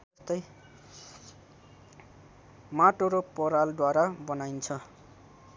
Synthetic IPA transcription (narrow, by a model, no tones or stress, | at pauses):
ʌst̪ʌj | maʈoɾopʌɾald̪waɾabʌnajnt͡sʰʌ